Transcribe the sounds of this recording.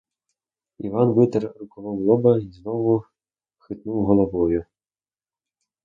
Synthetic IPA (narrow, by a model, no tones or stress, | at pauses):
ḭvanvɨt̪ɛrrukɔvawlˠɔbɐiznɔvu | xɨt̪nuwɣɐlˠavɔju